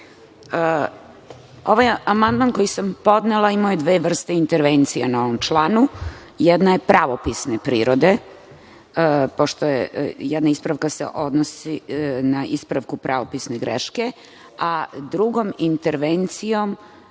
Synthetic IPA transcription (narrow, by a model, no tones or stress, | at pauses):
ə | o̞ʋajamand̪maːnko̞jisampo̞d̪nelˠaimajud̪ʋeːʋr̩st̪eint̪eɾʋent̪sijanao̞ʋo̞mt͡ʃlˠaːnu | jɛd̪naje̞pɾʔaʋopisnepɾiːɾo̞d̪e̞ | po̞ʃt̪ojḛjɛd̪naispɾaʋkasḛʔo̞d̪nosinaʔispɾaʋkupɾʔaʋo̞pisneɡɾḛʃke̞ | ad̪ɾuɡo̞mint̪eɾʋent̪sijo̞m